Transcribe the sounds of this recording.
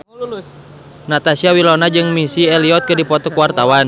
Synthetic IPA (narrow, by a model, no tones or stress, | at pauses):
nat̪asiawilɔnad͡ʒɨŋmisiɛliɔt̪̚kɨdipɔt̪ɔkuwart̪awan